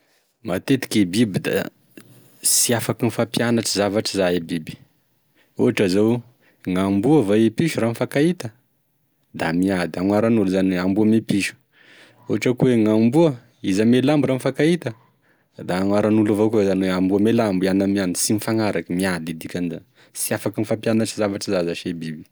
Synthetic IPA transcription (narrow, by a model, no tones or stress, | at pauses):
mat̪et̪i̥kʲebibid̪a̰ | siafakinifapjanaʈ͡ʂizavaʈ͡ʂizaebibi̥ | uɦaʈ͡ʂazow | ŋambuəvaepiʃuranfakait̪ə | d̪amiad̪iaŋwaɾanuluzanweambuamepiʃu̥ | oaʈ͡ʂakuweŋambuə | izamelambuɾanifakait̪ə | d̪aːŋwaɾanulavokuezanweambuamelambianamianisimifaŋaɾakəmiad̪id̪ikʲaniza | siafakinifampjanaʈ͡ʂizavaʈ͡ʂizazaʃebibi̥